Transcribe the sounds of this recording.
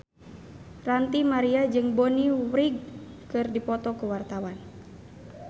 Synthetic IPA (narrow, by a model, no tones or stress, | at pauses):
rant̪imaɾiad͡ʒɨŋbɔniwɾiɡ̚ | kɨrdipɔt̪ɔkuwart̪awan